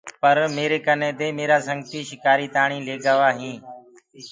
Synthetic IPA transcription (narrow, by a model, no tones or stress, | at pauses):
pəɾmeːɾeːkənẽːd̪eːmeːɾaːsə̃ŋɡt̪iːʃɪkaːɾiːt̪aːɳ̃ĩːleːɡaːʋaːɦĩː